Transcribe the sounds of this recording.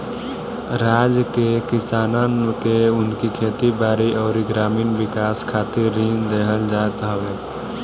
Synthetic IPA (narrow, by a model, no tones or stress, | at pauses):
ɾaːd͡ʒkekɪsaːnakeʊnkikʰeːt̪ibaːɾiɔːɾiɡɾaːmiːnʋɪkaːskʰaːt̪ɪɾːiːnd̪eɦəld͡ʒaːt̪ɦəʋeː